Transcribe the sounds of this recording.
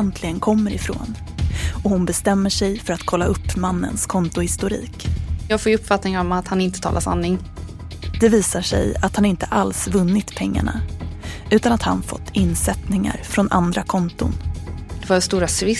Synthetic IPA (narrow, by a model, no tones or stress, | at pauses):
ɛnt̪ʰlɪɡənkʰɔmːəɾɪfɾo̰ːn | ɔhʊnbɛst̪ɛmːəʂɛjfœɾat̪kʰɔlːaɵpːmanːə̰nskʰɔnt̪ʊhɪst̪ʊɾḭːkjɑːɡfoːjɵpːfat̪nɪŋaɾɔmat̪hanɪnt̪ət̪ʰɑ̰ːlʔasa̰nːɪŋ | d̪̥ɛviːsaʂɛ̰jat̪hanɪnt̪əʔalsvɵnːɪt̪pʰɛŋːa̰ɳa̰ʔʉ̟ːt̪anat̪ha̰nfɔ̰t̪ʰːɪnːsɛt̪nɪŋa̰ɾfɾɔnʔa̰nd̪ɾakʰɔnt̪ʊ̰nd̪̥ɛvaɾst̪uːɾasvɪ